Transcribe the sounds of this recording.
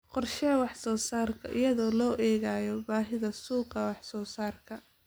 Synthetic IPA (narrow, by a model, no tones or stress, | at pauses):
qɔrʃɛwɑħsɔːsaːrkʰɐ̰ʔɪ̰jɐðɔːlɔːʔɛːɣaːjɔbaːɦɪðɐsuːqɑwɑħsɔːsaːrkʰɐ